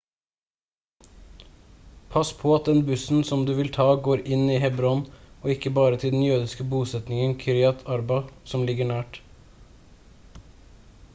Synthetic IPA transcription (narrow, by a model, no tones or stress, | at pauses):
pʰɑspʰoːɑt̪̚d̪ɛnbʉsn̩sɔmd̪ʉːʋɪlt̪ʰɑːɡoːɾɪniːhɛbɾɔnoːɪkəbɑːɾət̪ʰɪld̪ɛn̩jøːd̪ɪskəbuːsɛt̪nɪŋənkʰɪɾɪɑt̪ʰɑɾbɑsɔmlɪɡəɳæːʈ